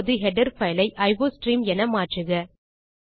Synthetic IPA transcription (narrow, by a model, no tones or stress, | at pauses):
ðɯɦɛɖɐɾfɐɪlɐɪʔɐɪʋoːsʈɾiːmɛnɐmaːʈrɯɣɐ